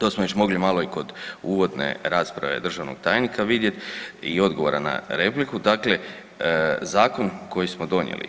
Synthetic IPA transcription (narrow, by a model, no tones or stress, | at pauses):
t̪osmoʋet͡ɕmo̞ɡlimaloiko̞d̪uːʋo̞d̪nḛɾaːspɾa̰ʋe̞̰d̪r̩ʒaʋno̰ɡ̥̚t̪aːjnikaʋid̪je̞t̪io̞d̪ɡo̞ʋoɾana̰ɾe̞plikud̪akle̞ | zaːko̞nko̞jismod̪o̞njḛlḭ